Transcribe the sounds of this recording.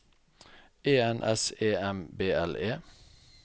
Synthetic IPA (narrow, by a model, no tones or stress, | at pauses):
eːɛnʔɛ̰seːɛmbeːɛleː